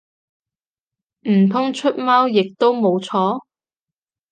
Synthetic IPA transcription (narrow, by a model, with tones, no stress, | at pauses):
m̩˨˩p̪ʰʊ˥ŋt͡ʃʰɵ˥t̚mɐː˥wjɪ˨k̚t̪o˥wmo˨˧wt͡sʰɔː˨˥